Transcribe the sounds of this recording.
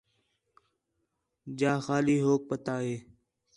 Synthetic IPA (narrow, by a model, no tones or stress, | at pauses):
d͡ʒaːxaːliːɦoːk̚pət̪aːɦeː